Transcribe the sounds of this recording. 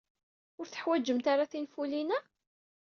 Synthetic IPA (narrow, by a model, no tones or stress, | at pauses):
ʊɾθə̥ħwæd͡ʒːəmt̪aɾaθinfulinæ